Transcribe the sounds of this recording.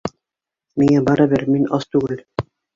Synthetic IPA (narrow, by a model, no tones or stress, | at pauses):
miŋæbɑɾɑbɘɾminɑst̪ʉɡɘl